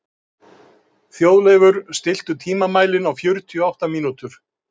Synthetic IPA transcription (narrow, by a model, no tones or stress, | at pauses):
θjowðlɛjvʏɾ̥st̪ɪl̥t̪ʏt̪ʰiːmamaːjlɪnawfjʏɾt̪ʰiɔawht̪amiːnut̪ʏɾ̥